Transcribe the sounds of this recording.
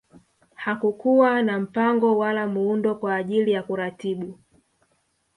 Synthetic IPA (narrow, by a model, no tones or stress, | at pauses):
hakukuwanam̩paŋɡɔwalamuundɔkwaːʄilijakuɾatiɓu